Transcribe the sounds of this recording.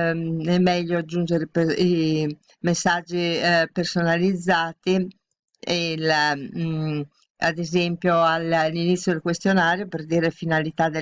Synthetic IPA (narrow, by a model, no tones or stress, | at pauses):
ɛmːɛʎːod͡ʒund͡ʒeɾepi | mesːad͡ʒːipersonalid̪zːaːt̪i | el | a̰d̪ezempjoallːinit̪sːjod̪elkwest̪jonaːɾjopeɾd̪iːɾefinalit̪ad̪e